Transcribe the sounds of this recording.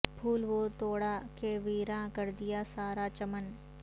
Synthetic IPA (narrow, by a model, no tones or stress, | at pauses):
bʰʱuːlʋot̪oːɽakeʋiːɾãkɐɾd̪ɪjasaːɾat͡ʃɐmən